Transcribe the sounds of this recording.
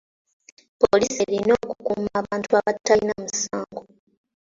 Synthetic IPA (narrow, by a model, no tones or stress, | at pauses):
poliseɾino̞ːkukumaːβaːntuaβatːalinamusaːŋɡo